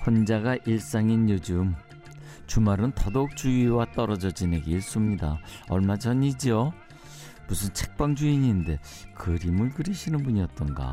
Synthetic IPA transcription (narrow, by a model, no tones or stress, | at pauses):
ɸʌnd͡ʑaɡaʔiɭs͈aŋinjod͡ʑum | t͡ɕumaɾɯntʌdok̚t͡ɕ͈uiwat͈ʌɾʌd͡ʑʌd͡ʑineɡeiɭs͈umɲidaʌɭmad͡ʑʌɲid͡ʑiʌ | musʰɯnt͡ɕʰe̥k̚p͈aŋd͡ʑuiɲinde̞ | kɯɾimɯɭɡɯɾiɕʰinɯnbuɲiʌt̚t͈ʌnɡa̰